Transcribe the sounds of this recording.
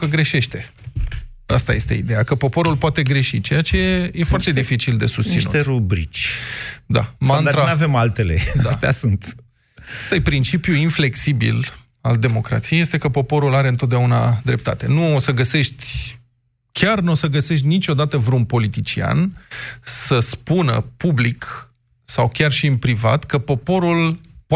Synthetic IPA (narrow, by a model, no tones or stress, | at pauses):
kəɡɾe̞ʃe̞ʃt̪e̞ | a̰st̪aje̞st̪e̞̰ḭd̪e̞jakəpo̞po̞ɾulpoat̪e̞ɡɾe̞ʃit͡ʃe̞jat͡ʃeeje̞foart̪e̞d̪ifit͡ʃild̪e̞sust̪sinṵt̪eɾubɾḭt͡ʃʲ | d̪a̰mant̪ɾaavemalt̪e̞lḛad̪ast̪ea̰sunt̪ | t̪əjpɾint͡ʃipjuinfle̞ksibḭl | a̰ld̪e̞mo̞kɾa̰t̪sijejet̪e̞kəpo̞po̞ɾulaɾe̞ɨnt̪ot̪̚d̪eauna̰d̪ɾe̞p̚t̪at̪e̞nuosəɡəse̞ʃt̪ʲ | kʲarnuosəɡəse̞ʃt̪ʲnit͡ʃʲo̞d̪at̪əvɾeunpo̞lit̪it͡ʃia̰n | səspunə̰publik | sawkʲarʃiɨnpɾiva̰t̪kəpo̞po̞ɾulp